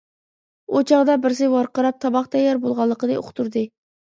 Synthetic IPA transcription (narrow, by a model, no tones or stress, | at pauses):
ot͡ʃʰɑʁd̪ɑbɪɾs̬ɪwɑɾqəɾɑp̚t̪ʰɑbɑχt̪ʰɛjːɑɾbolˠʁɑlˠːəqənɨo̰χʰt̪ʰuɾd̪ɨ